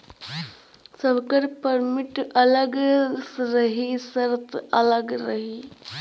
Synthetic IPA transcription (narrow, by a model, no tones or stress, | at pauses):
sɐbkəɾpɐɾmɪʈɐləɡsɾɐɦisɐɾt̪ɐləɡɾɐɦi